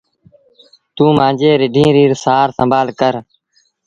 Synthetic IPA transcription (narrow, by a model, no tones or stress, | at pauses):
t̪ũːmãːd͡ʒeːɾɪɖʱĩːɾiːɾsaːɾsəmbʱaːlkəɾ